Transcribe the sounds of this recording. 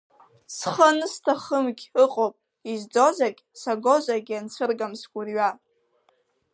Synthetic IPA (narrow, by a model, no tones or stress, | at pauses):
sχənɨstʰaχəmɡʲɨqʼowpʼ | izd͡zozakʲʼsaɡo̞ʒʷaɡʲant͡sʷʰɨrɡamsɡʷʼʊrɥa